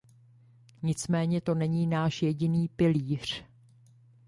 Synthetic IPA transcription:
ɲɪt͡smɛːɲɛt̪o̞nɛɲiːnaːʃjɛɟɪniːpɪliːr̝̥

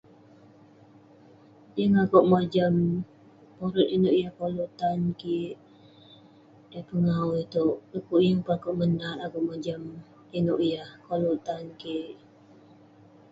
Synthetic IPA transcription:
jəŋakoʔmad͡ʒam | poɾʊt̪inʊʔjahkolut̪ankiʔ | əpəŋauit̪oʔəkuʔjəŋpəakoʔmənat̪akoʔmad͡ʒam | inoʔjahkolut̪ankiʔ

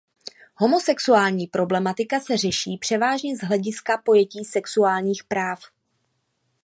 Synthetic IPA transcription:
ɦo̞mo̞sɛksuaːlɲiːpɾo̞blɛmat̪ɪkasɛr̝ɛʃiːpr̥ɛvaːʒɲɛzɦlɛɟɪskapo̞jɛciːsɛksuaːlɲiːxpɾaːf

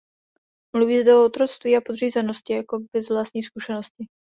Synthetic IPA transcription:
mluviːzdɛoot̪ɾo̞t͡st̪viːapod̪r̝iːzɛno̞scɪjako̞bɛzvlaːst̪ɲiːskuʃɛno̞scɪ

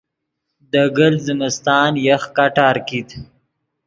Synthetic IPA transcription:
d̪əɡəlzɪmɪst̪ɑːnjəxkaʈɑːɾkit̪

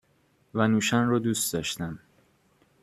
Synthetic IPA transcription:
vænuːʃænrɔd̪uːst̪d̪ɒːʃt̪æm

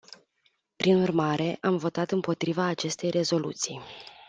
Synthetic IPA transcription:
pɾinurmaɾe̞ʔamvo̞t̪at̪ɨmpo̞t̪ɾivaːt͡ʃe̞st̪e̞jre̞zo̞lṵt̪sij

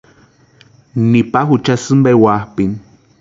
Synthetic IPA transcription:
nipaxut͡ʃasɨmbewahpin

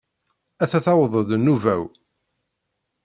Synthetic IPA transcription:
æθæθɑwðˤəðnuvæw

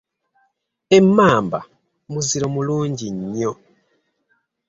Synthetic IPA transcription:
emːaːmba̰ | muziɾo̞muluːɲɟiɲːo

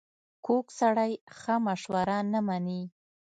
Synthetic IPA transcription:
koksaɽajxamaʃwaɾanəmani

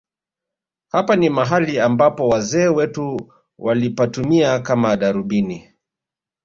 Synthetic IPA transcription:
hapanimaɦaliambapɔwazɛːwɛtu | walipatumiakamaɗaɾuɓini

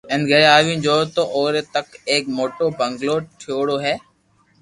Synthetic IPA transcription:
ɛ̃ːnɡʱəɾaːʋĩːd͡ʒoːt̪oːʔoːɾeːt̪əkeːkmoːʈoːbə̃ŋɡloːʈʰɪjoːɽoːɦɛː

